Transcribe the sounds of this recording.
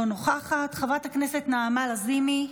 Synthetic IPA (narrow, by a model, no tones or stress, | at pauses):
onoχaχat̪χavathaknese̞t̪naːmalazimi